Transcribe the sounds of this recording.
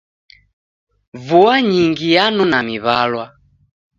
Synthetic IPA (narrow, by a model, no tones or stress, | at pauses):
vuaɲiŋɡijanunamiβalwa